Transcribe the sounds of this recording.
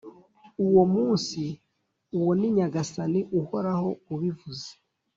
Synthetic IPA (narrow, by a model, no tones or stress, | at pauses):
uwomuːnsi | uwoniɲaɡasaniʔuho̞ɾaho̞uβivuze̥